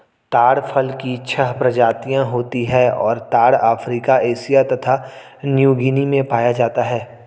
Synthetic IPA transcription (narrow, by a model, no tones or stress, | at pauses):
t̪aːɽfʰəlkit͡ʃʰəɦpɾɐd͡ʒaːt̪ijãɦoːt̪iɦɛːɔ̰ːɾt̪aːɽaːfɾiːkaeːʃijat̪ɐt̪ʰa | njuːɡinimẽpaːjad͡ʒaːt̪aɦɛː